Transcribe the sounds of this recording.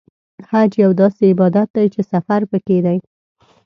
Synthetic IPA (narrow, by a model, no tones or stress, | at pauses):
had͡ʒjawd̪ɑseɪbɑd̪at̪̚d̪ajt͡ʃesafaɾpəked̪aj